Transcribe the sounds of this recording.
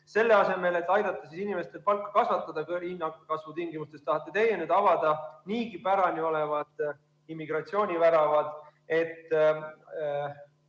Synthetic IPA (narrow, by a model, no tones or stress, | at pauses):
se̞lːe̞ɑse̞me̞le̞t̪ːˑɑjd̪̥ɑt̪ːˑɑsisinime̞st̪elpɑlkːˑɑ̥kɑsvɑt̪ːˑɑd̪̥ɑkinːɑkɑsvut̪iŋɡimust̪e̞st̪ɑhɑt̪ːˑet̪e̞jɑnyd̪ɑvɑd̪̥ɑniːkipæɾɑnio̞le̞vɑd̪̥ | imːiɡrɑtsio̞ːnʲivæɾɑvɑd̪̥e̞t̪ː